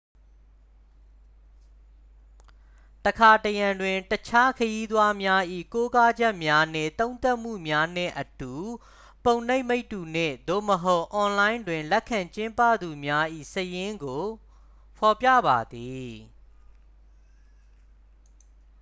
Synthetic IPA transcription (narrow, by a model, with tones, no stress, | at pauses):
təkʰa˨təjã˨ndwɪ̃˨ntət͡ɕʰa˦kʰəji˦d̪wa˦mja˦ʔḭ˦˨ko˦ka˦d͡ʑɛ˦ʔmja˦n̥ɪ̰̃˦˨t̪õ˦ʊ̃nt̪a˦ʔm̥ṵ˦˨mja˦nɪ̰̃˦˨ʔətu˨ | põ˨ʊ̃ne˦ɪ̃me˦ɪtːu˨n̥ɪ̰̃˦˨d̪o̰˦˨məɦo˦ʊʔɔ̃˨lã˦ɪ̃ndwɪ̃˨nlɛ˦ʔkʰã˨ɲt͡ɕɪ̃˦mpä̰˦˨d̪u˨mja˦ʔḭ˦˨səjɪ̃˦ŋɡo˨ | pʰɔ˨pja̰˦˨ba˨d̪i˨